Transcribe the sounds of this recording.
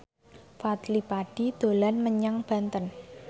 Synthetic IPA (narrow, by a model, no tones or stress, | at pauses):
fat̪lipaɖ̥id̪̥o̤lanməɲaŋb̥a̤nt̪ən